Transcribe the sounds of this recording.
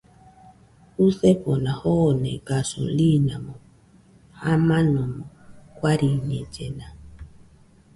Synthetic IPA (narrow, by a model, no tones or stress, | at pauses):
uθɛpɔnahɔnɛ̰ɡaso̰linamɔ | hamanɔmɔkwaɾiɲɛd͡ʒɛna